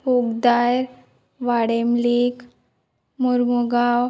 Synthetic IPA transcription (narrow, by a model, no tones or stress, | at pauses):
uɡd̪ajɾ | ʋaɽemlik | muɾmuɡaw